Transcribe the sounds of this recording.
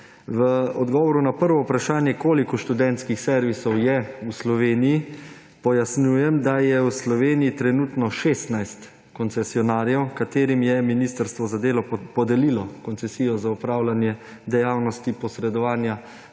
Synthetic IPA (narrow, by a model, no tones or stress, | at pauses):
ʋəɔd̪ɡɔʋɔɾunapəɾʋɔupɾaʃaːnjɛkoːlikɔʃt̪ud̪ɛnt̪skixsɛɾʋisɔwjɛuslɔʋeːniji | pɔjasnjuːjɛmd̪ajɛwslɔʋeːnijit̪ɾɛnuːt̪nɔʃeːst̪najst̪ | kɔnt̪sɛsiɔnaːɾjɛwkat̪eːɾimjɛminist̪əɾst̪ʋɔzad̪eːlɔpɔd̪ɛlilɔkɔnsɛsiːjɔzaupɾaːwlanjɛ | d̪ɛjaːwnɔst̪ipɔsɾɛd̪ɔʋaːnja